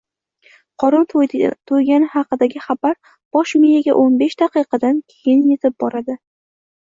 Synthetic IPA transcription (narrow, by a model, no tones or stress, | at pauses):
qʰɒɾʊlt̪ʰojɡʲanɪhɑqɨd̪aɡʲɪχɑbaɾ | b̥ɒʃmijaɡʲa̰ʔonbe̞ʃd̪aqɨjqɑd̪ankʲʰejɪnje̞t̪ʰɪp̚bɒɾad̪ɪ